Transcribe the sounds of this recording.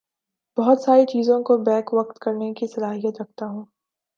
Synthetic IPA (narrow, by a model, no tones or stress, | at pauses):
b̥ɐɦɔt̪saːɾit͡ʃiːzõkobɛːkʋɐq̚t̪kɐɾnekisɐlaːɦijət̪ɾɐk̚ʰt̪aɦũː